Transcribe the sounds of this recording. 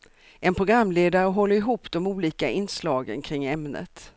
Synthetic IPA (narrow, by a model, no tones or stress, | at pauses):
ʔɛnpʰɾʊɡɾamːleːd̪aɾəɦɔlːəɾɪɦuːpd̪ɔmuːliːkaɪnːslɑːɡə̰nkʰɾɪŋːɛmnə̰t̪